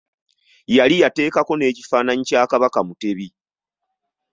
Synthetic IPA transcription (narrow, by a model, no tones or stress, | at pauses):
jalijate̞ːkako̞ne̞ːci̥faːnaɲicaːkaβakamute̞βi